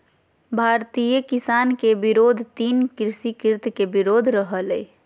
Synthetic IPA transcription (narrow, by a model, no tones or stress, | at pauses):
bʱaɾt̪ijəkisaːnkebiɾoːd̪ʱt̪iːnkɾɪsikɪɾt̪ʰkebiɾoːd̪ʱɾəɦəlɛ